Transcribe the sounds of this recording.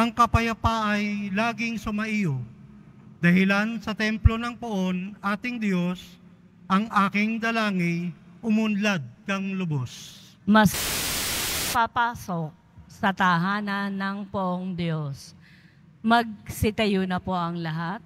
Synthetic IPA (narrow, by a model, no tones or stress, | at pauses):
ʔɐŋkɐpɐjɐpaʔɐjlaːɡɪŋsʊmɐʔijo | d̪ɐhɪlansɐt̪ɛmplo̞nɐŋpʊʔo̞nʔaːt̪ɪŋd̪jo̞s | ʔɐŋʔaːkɪŋd̪ɐlaːŋɪʔʊmʊnlad̪̚kɐŋlʊbos | mɐs | papaːsok̚sɐt̪ɐɦaːnɐnɐŋpʊʔoŋd̪jo̞s | mɐɡ̚sɪt̪ɐjonɐpo̞ʔɐŋlɐɦat̪̚